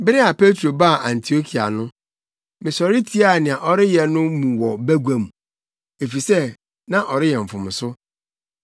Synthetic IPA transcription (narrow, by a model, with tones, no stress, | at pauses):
bɪ˦ɾɪ˦a˨pe˦tʰɾo˨ba˦˨ʔã˨ntʰi˨o˦kʰi˨a̰˨nʊ̃˦ | mɪ̃˨sɔ˨ɾɪ˦tʰi˦a˦˨nɪ̃˨a˨ʔɔ˦ɾɪ˦jɛ˨nʊ̃˦mũ˨wɔ˨bæ˦ɡʷæ̃˨mũ˨ | e˨fi˨sɛ˦ | nã˦ʔɔ˨ɾɪ˦jɛ˨ɱ̩˨fʊ̃˨m̃˨sʊ˦